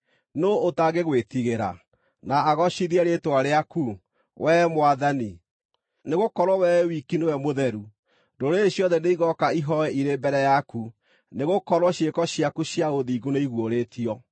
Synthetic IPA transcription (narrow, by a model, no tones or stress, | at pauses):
noːtaɡeɣwetiɣeɾa̰ | naːɣɔʃiðiɛɾetwaɾeaku | wɛmowaðani | neɣokɔɾwɔwɛwikinowɛmoðɛɾu | doɾeɕjɔðɛneiɣɔkaiɦɔɛʔiɾembɛɾɛjaku | neɣokɔɾwɔɕjekɔɕiakuʃjaoðiːɡuneiɣwoɾetiɔ